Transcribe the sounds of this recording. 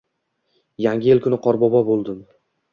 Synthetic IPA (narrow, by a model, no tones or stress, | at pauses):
jaŋɡʲɪelkʰʊnɪqʰɒɾbɒbɒbolˠd̪ɪm